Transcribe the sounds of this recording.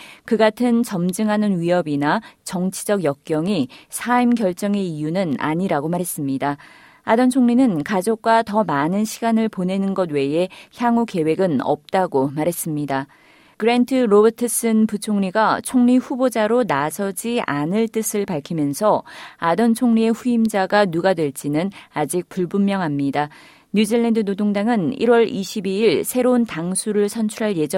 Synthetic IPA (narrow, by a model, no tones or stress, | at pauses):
kɯɡatʰɯnt͡ɕʌmd͡ʑɯŋɦanɯnɥiɦʌbinat͡ɕʌŋt͡ɕʰi̥d͡ʑʌɡjʌk̚k͈jʌŋisʰaimkjʌɭt͡ɕ͈ʌŋe̞ijunɯna̰ɲiɾaɡomaɾɦe̞s͈ɯmɲida | adʌnt͡ɕʰoŋɲinɯnkad͡ʑok̚k͈watʌmanɯnɕʰiɡanɯɭpone̞nɯnɡʌd̚we̞e̞çjaŋuke̞we̞ɡɯnʌ̰p̚t͈aɡomaɾe̞s͈ɯmɲida | kɯɾe̞ntʰɯɾobʌtʰɯs͈ɯnput͡ɕʰoŋɲiɡat͡ɕʰoŋɲiɸubod͡ʑaɾonasʰʌd͡ʑia̰nɯɭt͈ɯsʰɯɭpaɭkʰimjʌnsʰʌadʌnt͡ɕʰoŋɲie̞ɸuimd͡ʑaɡanuɡadwe̞ɭt͡ɕ͈inɯnad͡ʑik̚puɭbummjʌŋɦamɲida | ɲud͡ʑiɭːendɯnodoŋdaŋɯnḭɾwʌɾiɕʰibiiɭsʰe̞ɾountaŋsʰuɾɯɭsʰʌnt͡ɕʰuɾɦaɭje̞d͡ʑʌ